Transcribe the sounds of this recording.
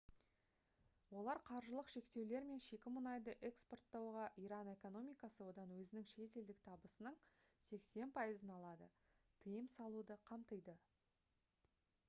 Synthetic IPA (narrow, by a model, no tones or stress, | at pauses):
wo̞lˠɑɾqʰɑɾʒəlˠəqʃe̞kt̪e̞wle̞ɾme̞nʃe̞kʲɪmʊnɑjd̪əʔe̞kspo̞rt̪ːɑwʁɑʔiɾɑne̞ko̞no̞mʲijkɑsəwo̞d̪ɑnwɵzɪnɪŋʃe̞ze̞ld̪ɪk̚t̪ʰɑbəsənəɴ | se̞kse̞npʰɑjəzənɑlˠɑd̪ə | t̪ʰəjəmsɑlˠud̪əqʰɑmt̪əjd̪ə